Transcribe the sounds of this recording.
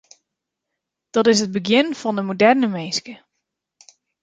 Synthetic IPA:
d̥ɑtɪsɦəd̚bəɡjɪnfɔndəmodɛrnəmeːskə

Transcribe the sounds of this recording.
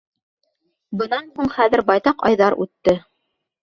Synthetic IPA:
bɤ̆nɑnhuɴχæðɘ̆ɾbɑjt̪ɑqɑ̰jðɑɾʔʉ̰t̪ːɘ

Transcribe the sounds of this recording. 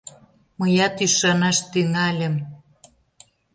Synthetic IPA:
məjɑt̪yʃɑnɑʃt̪yŋɑlʲə̆m

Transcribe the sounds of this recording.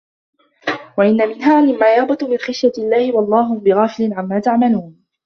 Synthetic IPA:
waʔɪnːamɪnɦaːmɪmːaːjɑɣbɑt̪mɪnxɪʃjaɪlːaːhɪwɑlˤːɑːɦʊbɪɣaːfɪlɪnʕamːaːt̪aʕmaluːn

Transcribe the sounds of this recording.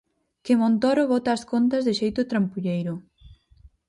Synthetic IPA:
kɪmõnt̪oɾoβɔt̪aːskont̪azðɪʃejt̪ʊt̪ɾampuʎejɾʊ

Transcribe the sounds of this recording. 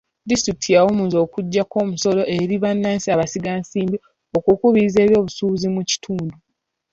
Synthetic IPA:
distɾikitʰijawomuzo̞ːkuɟːako̞ːmuso̞lo̞ʔe̞ɾiβanːaːnsiaβasiɡaːnsiːmbi | okukuβiːze̞ːβjo̞ːβusuːzimuci̥tʰuːndu

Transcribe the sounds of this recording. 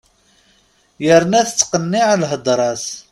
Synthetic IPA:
jəɾnæθət͡sːqənːiʕalɦəd̪ˤɾˤɑs

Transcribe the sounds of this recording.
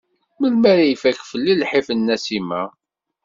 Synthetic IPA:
məlmæɾæjəfækfəlːilħifənːæsimæ

